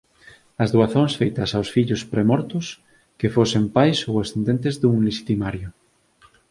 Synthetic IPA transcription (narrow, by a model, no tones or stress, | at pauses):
ɐzðuaθoŋsfejt̪ɐsawsfiʎʊspɾemɔɾt̪ʊs | kefosempajsowasθend̪ent̪ezðuŋleʃi̥t̪imaɾjʊ